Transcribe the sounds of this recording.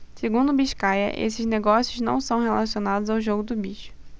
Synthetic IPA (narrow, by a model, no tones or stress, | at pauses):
seɡũnd̪ʊbiʃkajɐ̰ʔḛsɪzneɡɔsjʊznɐ̰̃w̃sɐ̃w̃ɦelasionad̪ʊzawʒoɡʊd̪ʊbiʃʊ̥